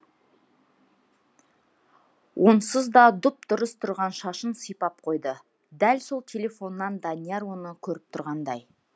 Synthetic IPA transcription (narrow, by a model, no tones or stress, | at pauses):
wʔo̞nsəzd̪ɑd̪ʊp̚d̪ʊɾəst̪ʰʊɾʁɑnʃɑʃənsəjpɑp̚qʰo̞jd̪ə | d̪ælso̞lˠt̪ʲʰe̞lʲe̞fo̞nːɑnd̪anijeɾwo̞nəkʲʰɵɾɪp̚t̪ʰʊɾʁɑnd̪ɑj